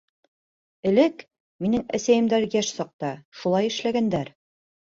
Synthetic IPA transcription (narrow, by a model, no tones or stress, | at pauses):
ɘ̆lɘk | minɘŋæ̰sæjɘ̆md̪æɾjæʃsɑq̚t̪ɑʃulˠɑjɘ̆ʃlæɡænd̪æɾ